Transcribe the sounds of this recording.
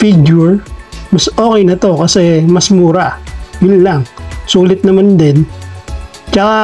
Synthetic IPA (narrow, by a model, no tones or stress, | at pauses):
fiɡjuɹmɐso̞ːkɛjnɐt̪o̞kɐsɛmɐsmuːɾajʊnlaŋsuːlɪt̪̚nɐmand̪ɛn | t͡ʃɐka